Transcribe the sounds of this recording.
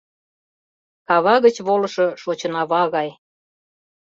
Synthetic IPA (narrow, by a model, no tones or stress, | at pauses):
kɑβɑɣət͡ɕβolɤʃɤ̽ʃot͡ɕɤ̆nɑβɑɣɑj